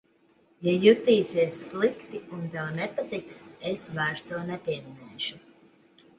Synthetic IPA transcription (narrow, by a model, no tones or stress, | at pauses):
jajut̪iːsiɛsːlˠikt̪iund̪ɛwnɛpat̪iksesvajɾst̪uɔnɛpʲiɛminɛːʃu